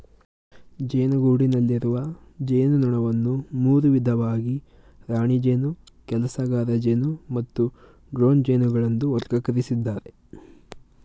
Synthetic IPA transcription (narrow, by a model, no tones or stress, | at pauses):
d͡ʒeːnɐɡuːɽinɐlːiɾuʋɐd͡ʒeːnunɔɳɐʋɐnːumuːɾuʋid̪ʱɐʋaːɡi | ɾaːɳid͡ʒeːnu | kɛlɐsɐɡaːɾɐd͡ʒeːnumɐt̪ːu | ɡɾo̞ːnd͡ʒejnuɡɐɭɐnd̪uɔɾɡɐkɐɾisid̪ːaːɾe